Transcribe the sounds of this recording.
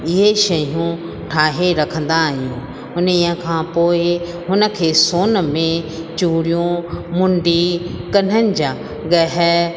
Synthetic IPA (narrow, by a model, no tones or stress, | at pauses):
ɪɦeʃɐjũ | ʈʰaːɦeɾɐkʰə̃nd̪aɦijũː | ʊnɪɦə̃kʰãːpoːɪ | ɦʊnə̆kʰeːsoːnmẽt͡ɕuːɽijũmʊ̃ɳɖikɐn̤ənɪ̆d͡ʑaː | ɡɐɦɛ